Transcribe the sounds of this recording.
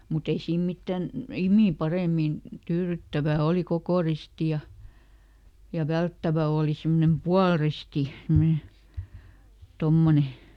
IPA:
mut ei siːm mitːæn imiˑ pɑreˑmin tyːrytːæʋæˑ oliˑ kokoˑ risti jɑ jɑ ʋæltːæʋæ oːli simːŏnem puɑlristi semne tomːone

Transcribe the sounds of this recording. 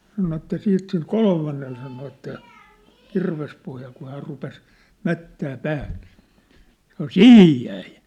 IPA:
sɑno etːæ siːt sil kolmɑnːel sɑno etːæ kirʋespohjɑl kuh hæːr rupes mætːæː pæːh n̥i̥ːn̥ sɑ̆no sihij jæi

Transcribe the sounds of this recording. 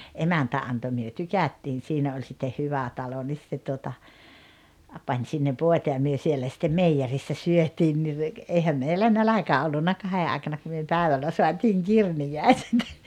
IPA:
emæntæ ɑnto myø tykætːiːn̞ siːnæ olʲ sitːe hyʋæ tɑlo nis se tuotɑ ɑ pɑnʲ sinːeʋ ʋoˑetɑ jɑ myø sielːæ sĭtːem meijerisːæ syøtˑiːn ni re eihæm meilːæ nælækæ olːunːɑ kɑhe ɑˑekɑnɑ ku myø pæˑeʋælːæ soɑtiːŋ kirnijæˑi̞set

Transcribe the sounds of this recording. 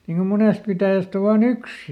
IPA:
niŋ ko moneˑst pitæˑjæst o ʋɑːn yks

